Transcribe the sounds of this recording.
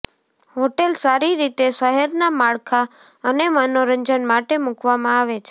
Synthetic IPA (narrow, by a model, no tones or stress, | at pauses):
ɦoʈelsaɾiɾit̪esəɦɛɾnamaɭkʰa | ənemənoɾəɲd͡ʒənmaʈemukʋamãaʋet͡ʃʰe